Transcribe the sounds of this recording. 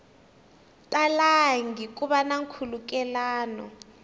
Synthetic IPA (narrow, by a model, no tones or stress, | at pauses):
tʼalaŋɡikʼuɓanaŋkʰuluk̬ʼɛlaːnɔ̰